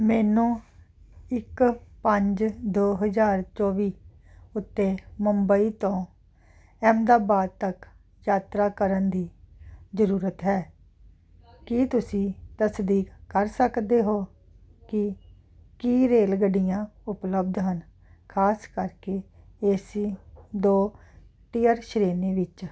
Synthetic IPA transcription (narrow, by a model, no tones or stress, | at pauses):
mɛːnũː | ɪkpəɲd͡ʒd̪oːɦəzaːɾt͡ʃɔːʋiː | ʊt̪ːeːməmbəiːt̪õː | ɛːmd̪aːbaːd̪̚t̪ək | jaːt̪ɾaːkəɾənd̪iːzəɾuːɾət̪ɦɛː | kɪt̪ʊsĩːt̪əsd̪iːkːəɾsəkd̪eːɦoː | kɪ | kiːɾeːlɡəɖɪjãːʊpləbd̪ɦən | kʰaːskəɾkeː | esiːd̪oː | ʈiːəɾʃəɾeːneːʋɪt͡ʃ